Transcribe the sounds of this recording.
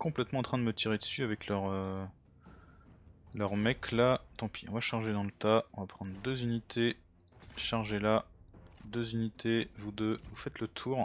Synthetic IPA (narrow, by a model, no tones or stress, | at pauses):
kɔ̃plɛt̪mɑ̃ɑ̃t̪χɛ̃d̪əmət̪iʁed̪əsyavɛklœʁø | lœʁmɛklat̪ɑ̃pʰiɔ̃vaʃaʁʒed̪ɑ̃lət̪aɔ̃vapχɑ̃d̪ʁəd̪øzynit̪ʰe | ʃaʁʒela | d̪øzynit̪ʰevud̪øvufɛt̪lət̪ʰuːʁ